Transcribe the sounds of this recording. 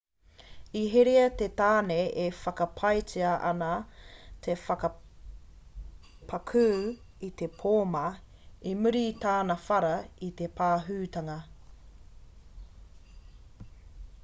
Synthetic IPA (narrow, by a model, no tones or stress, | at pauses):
iɦeɾeɐt̪et̪aːnejʔefɐkɐpʰɐjtiɐʔɐ̰nɐt̪ʰefɐkɐ | pʰɐkʰʉː | it̪e̞pʰoːmɐ | imʉɾit̪aːnɐfɐɾɐit̪epʰaːɦʉːt̪ɐŋɐ